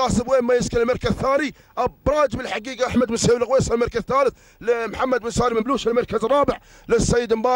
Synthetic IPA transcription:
ɑsəbwemːæjəskəəlmɑɾˤkazθani | ʔɑbɾˤɑd͡ʒbəlħaɡiːɡʔaħmæd̪bənshewlɣwesalmɑɾkazθaːləθ | lmħamːæd̪bənsaːɾiməmbluʃəlmɑɾˤkazərˤːɑːbəʕ | ləsːæjːəd̪mbɑ

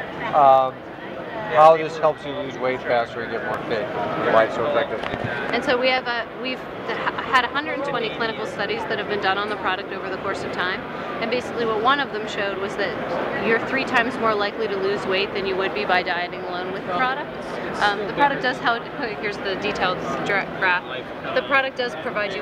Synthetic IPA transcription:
haʊðɪs̚hɛlˠpsɨlʉzweɪtfæstə˞ɨ̃nɡɛt̚mɔɹfeɪkəəlaɪtsoəfæk̚tɪvɨɾḭʔɨ̃nsoʊwiɨvɨwiv̥ | ɨɾɨhʌ̃ndɹə˞dⁿn̩tʰw̥ɛ̃ɾ̃ikʰl̥ɪ̃ñɨkl̩ˠstʌɾizðɨt̚hɨvbɨ̃ndʌ̃nə̃nðəpʰɹ̥ɑɾɨk̚toʊvə˞ðəkʰɔɹsʌv̥tʰãɪ̃m | ɨ̃nbeɪsɨkliwʌt̚wʌ̃nʌvðɨ̃mʃoʊd̚wʌzðɨt͡ʃə˞θɹitʰãɪ̃mzmɔɹlaɪkliɾɨlʉzweɪt̪̚ðɨ̃njɨwɨd̚bibaɪdaɪɨɾɪ̃ŋəlõʊ̃nwɨðəpʰɹ̥ɑɾɨk̚t | ðɨpʰɹ̥ɑɾɨk̚d̥ʌz̥ɦɛlˠdhɪɹzðɨditʰeɪlˠdzdɹ̥ɛkʰɹ̥æft | ðɨpʰɹ̥ɑɾɨk̚d̥ʌz̥pʰɹ̥ɨvaɪd͡ʒɨ

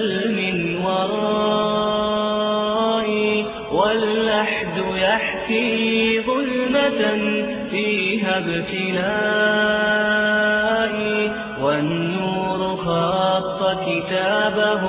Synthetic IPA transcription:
lmɪnwɑɾˤɑ | ʔi | walːaħd̪ʊjaħkiːðʊlma | fiːɦabt̪ɪla | ʔɪ | wanːuːɾʊxɑːt̪ˤːɑkɪt̪aːbaɦ

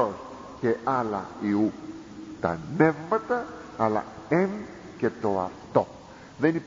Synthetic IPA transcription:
os | ceʔalɐ̰iu | t̪ɐ̰nevmɐt̪ɐː | la̰em | cet̪oa̰ft̪o | ðeni

